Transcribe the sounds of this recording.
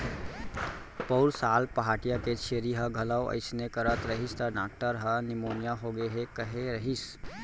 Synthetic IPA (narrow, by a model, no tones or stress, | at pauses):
pəʊɾsaːlpəɦaːʈijaket͡ʃʰeːɾiɦə̃ɡʱɐləwə̰ɪsnekəɾət̪ɾəɦist̪əɾnaːk̚ʈəɾɦənɪmoːnijaɦoɡeeɦekəɦeɾəɦis